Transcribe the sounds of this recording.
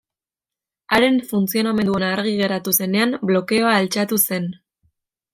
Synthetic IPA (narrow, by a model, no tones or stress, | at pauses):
aɾe̞ɱfunt͡sio̞name̞nd̪o̞naːɾɣ̞iɣ̞e̞ɾat̪use̞ne̞amblo̞ke̞o̞aːlt͡ʃat̪use̞n